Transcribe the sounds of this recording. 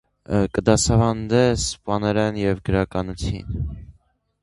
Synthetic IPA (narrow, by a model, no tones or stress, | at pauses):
kəd̪ɑsɑvɑnd̪ɛspɑnɛɾɛnjɛvɡəɾɑkɑnut͡sʰjḭn